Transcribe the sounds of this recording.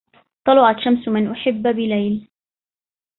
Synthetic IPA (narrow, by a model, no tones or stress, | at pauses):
t̪ˤːɑlʊʕat̪ʃamsmɪnʔʊħɪbːbɪlajl